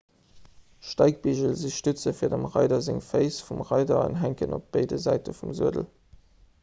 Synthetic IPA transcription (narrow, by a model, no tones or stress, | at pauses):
ʃtɑɪk̚b̥iʑəlziʃtʉt͡səfiːɐdəmʁɑɪdɐzeŋfəɪsfumʁɑɪdɐə̰nɦæŋkənop̚b̥ɑɪdəzæɪtəfumzuədəl